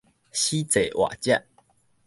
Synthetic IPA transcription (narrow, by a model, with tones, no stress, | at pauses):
ɕi˦t͡se˨˩ʔwa̰˨t͡ɕja̰˧˨ʔ